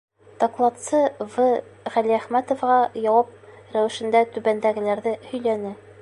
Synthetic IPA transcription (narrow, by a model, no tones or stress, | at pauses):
d̪̥ɑklˠɑt̪sɤvɤʁæliæχmæt̪ŏfʁɑjɒwɑp̚ | ɾæwɘ̆ʃɘ̆nd̪æt̪ʉbænd̪æɡɘ̆læɾðɘhɵ̆jlænɘ